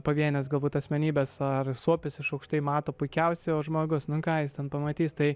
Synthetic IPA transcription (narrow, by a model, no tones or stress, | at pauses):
pɐʋʲiɛnʲɛsɡɐlˠbuːt̪ɐsʲmʲɛnʲiːbʲɛsɐrsuɔpʲɪsɪʃɐʊkʃt̪ɐɪmɑːt̪oːpʊɪkʲɛʊsʲɛoːʒmoːɡʊsnʊkɑːjɪst̪ʲɛnpɐmɐt̪ʲiːst̪ɐɪ